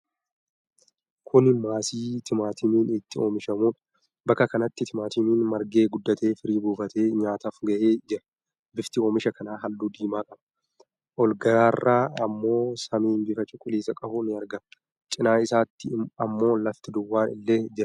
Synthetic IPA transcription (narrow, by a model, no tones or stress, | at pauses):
kʰʊnmaːsiːt̪ɪmaːt̪ʰɪniːnɪt̪ːɪo̞ːmɪʃɐmuːᶑɐ | bɐkːɐkɐnɐt̪ːɪt̪ʰɪmaːt̪ɪniːnmɐɾɡe̞ːɡʊd̪ːɐt̪e̞ːfɪɾiːbuːfɐt̪ʰe̞ːɲaːt̪afɡɐʔeːd͡ʒɪɾɐ | bɪft̪ɪo̞ːmɪʃɐkɐnaːɦɐlːuːd̪iːmaːkʼɐb̥ɐ | ʔɔlɡɐɾaːrːaːɐmːo̞ːsɐmiːnbɪfɐt͡ʃʼʊkʼːʊliːsɐkʼɐbʊnɪɐɾɡɐm | t͡ʃʼɪnaːɪsaːt̪ːɪɐmːo̞ːlɐft̪ɪd̪ʊwːaːnɪlːeːd͡ʒɪɾɐ